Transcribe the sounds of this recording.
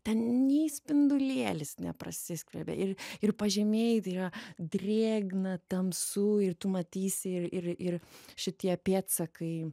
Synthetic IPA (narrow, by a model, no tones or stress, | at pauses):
t̪ʲɛnnʲɛɪsʲpʲɪnd̪ʊlʲeːlʲɪsnʲɛ̰pɾɐ̰sʲɪsʲkʲʋʲɛlʲbʲɛ̰ʔɪrɪrpɐʒʲɛmʲeːjt̪ɐɪɾɐd̪ʲrʲeːɡnɐt̪ɐmsʊɪrt̪ʊmɐt̪ʲiːsʲɪɪrɪrɪrʃʲɪt̪ʲiɛpʲeːt̪sɐkɐɪ